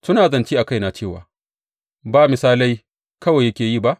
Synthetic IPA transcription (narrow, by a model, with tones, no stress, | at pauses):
sʊ˦naː˨zɐ˨nt͡ʃiː˦ʔa˨ka˦jna˨t͡ʃeː˦˨wa̰ː˨ | baː˦˨mɪ˨saː˦la˦j | kɐ˦wa˨jɐ˦kʲeː˨jiː˦˨ba˦ʔ